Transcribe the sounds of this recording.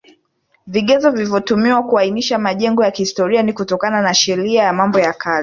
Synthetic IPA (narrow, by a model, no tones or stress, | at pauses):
viɠɛzɔvilivjɔtumiwakuainiʃamaʄɛŋɡɔjakihistɔɾianikutɔkananaʃɛɾiajamambɔjakʰazi